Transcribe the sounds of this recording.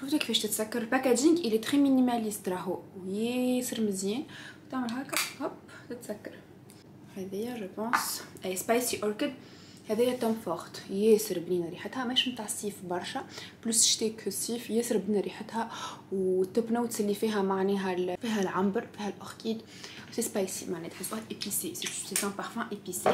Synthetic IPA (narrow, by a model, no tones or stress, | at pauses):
ʃuːft̪ukːfɛːʃt̪ɪt̪sækːɑɾˤpækæd̪iŋɡʔilit̪ximːinimælist̪ɾˤɑɦuʔwjesəɾmɪzjɛːnwt̪aʕməlɦæːkæqɑbt̪ɪt̪sækːɑɾˤ | hɛðɛjːæʒəpɑ̃ːsʔɛspajsiʔoɾkɪd̪ | hɛðɛjːæt̪ːæmfɑɣt̪jɛːsəɾbniːnɾiːħət̪hæmɛʃmt̪aːʕsːiːfbɑɾˤʃaplʊsʃt̪eksːiːfjɛːsəɾbninɾiːħɪt̪hæwt̪ːopnoːt̪sɪlːifiːɦæmaʕnɛːɦælfiːɦælʕambəɾfiːhælʔoʁkiːd̪ | wsespajsimaʕnɛːt̪ħɪshʔepisiseset̪ɛ̃pɑʁfæ̃ʔepisi